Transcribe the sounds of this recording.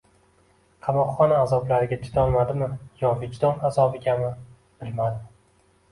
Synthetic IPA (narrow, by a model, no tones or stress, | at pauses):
qʰɑmɒqχɒnaːzɒblaɾɪɡʲat̪ʰʊ̥t̪ʰɒlmad̪ɪmɪjɒvɪd͡ʒd̪ɒnazɒbɪɡʲamɪ | b̥ɪlmad̪ɪ